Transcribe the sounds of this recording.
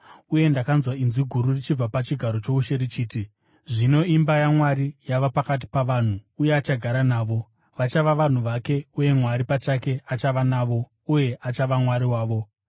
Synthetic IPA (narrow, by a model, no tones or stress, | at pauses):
uje̞ndakanzwainziɡʱuɾurit͡ʃib͡vapat͡ʃiɡʱaɾo̞t͡ʃo̞uʃe̞ɾit͡ʃiːti | ʐino̞imbajamwaɾijaʋapakat̬i̥paʋan̤uːje̞at͡ʃaɡʱaɾanaːʋo̞ | ʋat͡ʃaʋaʋan̤uʋake̞uje̞mwaɾipat͡ʃake̞at͡ʃaʋanaːʋo̞ | uje̞ʔat͡ʃaʋamwaɾiwaːʋo̞